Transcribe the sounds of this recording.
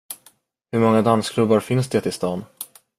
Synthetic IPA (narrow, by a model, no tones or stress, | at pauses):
hɵɾmɔŋːad̪anskʰlɵbːaɾfɪnsd̪eːt̪ɪst̪ɑːn